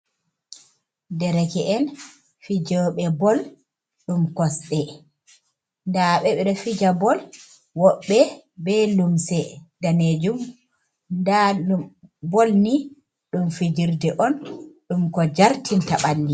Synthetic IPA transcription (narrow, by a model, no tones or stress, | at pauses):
dɛɾɛkɛʔɛn | fid͡ʒɔɓɛbɔl | ɗumkɔsɗɛ | ndaɓɛɓɛɗɛfid͡ʒabɔl | wɔɓːɛ | bɛlumsɛdaned͡ʒum | nda | bolni | ɗumfid͡ʒiɾdɛʔɔnɗumkɔd͡ʒaɾtʰintaɓanːi